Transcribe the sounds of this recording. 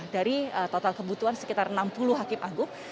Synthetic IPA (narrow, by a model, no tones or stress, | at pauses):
daɾiət̪ɔt̪alkəbut̪uansə̥kit̪arnampuluɦakɪmʔaɡʊŋ